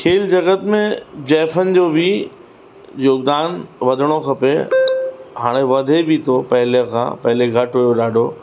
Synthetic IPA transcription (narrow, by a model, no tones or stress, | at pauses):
kʰeːld͡ʑɐɡət̪mẽd͡ʑɛːfənɪ̆d͡ʑoːbʱi | joːɡd̪aːnʋɐd̪ʱəɽ̃okʰɐpḛ | ɦaːɽ̃ẽʋɐd̪ʱebʱit̪ʰopɐɦɪlekʰã̰ːpɐɦɪleɡʱɐʈɦujoɗaːɖʱoː